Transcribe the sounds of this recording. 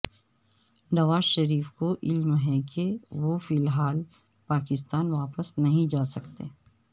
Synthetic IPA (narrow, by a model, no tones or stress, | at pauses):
nɐʋaːzʃɐɾiːfkoʔɪlmɦɛkeʋofɪlɦaːl | paːkɪst̪aːnʋaːpəsnɐɦĩd͡ʒaːsɐkt̪ḛː